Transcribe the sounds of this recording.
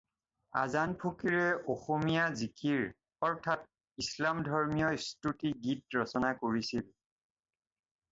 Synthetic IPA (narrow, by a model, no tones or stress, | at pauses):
a̰zanpʰokiɹɛʔoxomijazikʰiɹ | ɔɹtʰat̚ | islamdʱɔɹmijɔstutiɡit̚ɹɔsɔnakoɹisil